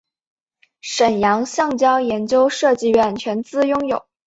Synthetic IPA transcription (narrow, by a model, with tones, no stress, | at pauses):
ʂə˨˩njɑ˧˥ŋɕjɑ˥˩ŋt͡ɕjɑ˥ʊjɛ˧˥nt͡ɕjo˥ʊʂɤ˥˧t͡ɕi˥˧ɥɛ˥˩nt͡ɕʰɥɛ˧˥nt͡sɹ̩˥˩jʊ˥ŋjo˨˩˦ʊ